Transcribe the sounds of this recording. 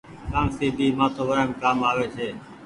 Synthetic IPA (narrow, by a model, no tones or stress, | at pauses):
kaːnsiːbʱiːmãːt̪ʰoːʋəɾəːmkaːmaːʋeːt͡ʃʰeː